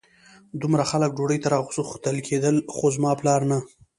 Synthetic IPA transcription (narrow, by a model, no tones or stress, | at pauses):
d̪ʊmɾaxalək̚ɖoɽəjt̪aɾɑɣʊsəxt̪əlkʰed̪əlxozmɑplɑɾna